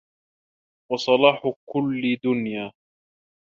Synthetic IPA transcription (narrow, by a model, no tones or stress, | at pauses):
wɑsˤɑlɑːħʊkʊlːd̪ʊnjaː